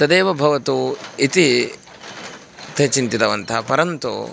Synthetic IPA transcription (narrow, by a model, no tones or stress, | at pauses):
sɐd̪eːʋɐbʱɐʋɐt̪uit̪i | t̪ʰet͡ʃint̪it̪ɐʋɐnt̪ʰɐpɐɾɐnt̪ṵ